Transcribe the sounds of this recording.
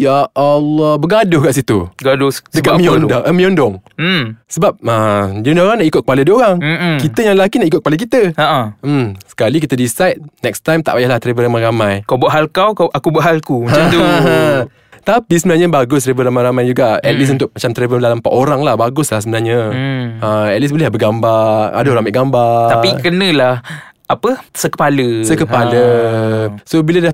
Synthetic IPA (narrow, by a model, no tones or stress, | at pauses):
jaʔalɔhbəɡadʊhkaʔsit̪ṵɡadʊdəkamĩɔndɔʔəmĩɔndɔŋ̩ | səbap̚ədonoɾaŋnaʔikʊt̪̚kəpaləduəoɾaŋkit̪əjaŋllakinaʔik̬ʊt̪̚əpalək̬it̪əasə̥kalik̬it̪ədisajt̪̚nɛkst̪ajmt̪a̰ʔbajahlaht̪ɾebəɾamaɾamãjkawbuaʔɦalkawkaakubuaʔɦalkumahãt̪uɦa | t̪apisəbənaɲãbaɡʊst̪ɾebəɾamajɾamajd͡ʒuɡaɛt̪̚lis̬unt̪ʊk̚mat͡ʃamt̪ɾebədalampaʔoɾaŋlahbaɡʊslahsəbənarɲaəɛt̪̚lis̬bolɛbəɡambaa̰daoɾaŋmɛʔɡambat̪aikənə̃lah | apəsəkə̥paləsəkəpalə | sobiləda